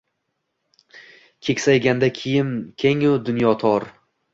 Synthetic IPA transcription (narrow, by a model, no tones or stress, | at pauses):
kʲʰe̞kʲsajɡʲand̪akʲʰɪjɪmkʲʰe̞ŋʊd̪ʊnjɒt̪ʰɒɾ